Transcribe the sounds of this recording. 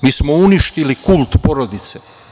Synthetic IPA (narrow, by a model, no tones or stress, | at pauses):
miːsmouniʃt̪ilikulˠt̪po̞ɾo̞d̪it̪se